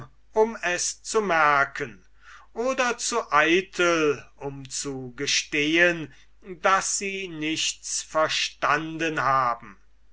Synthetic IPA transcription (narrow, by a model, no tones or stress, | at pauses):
ʔʊmɛst͡sumɛɐkʰən | ʔoːdɐt͡suʔaɪtʰəlʊmt͡suɡəʃteːən | dasz̥iːnɪçtt͡sfɛɐʃtandənɦaːbm̩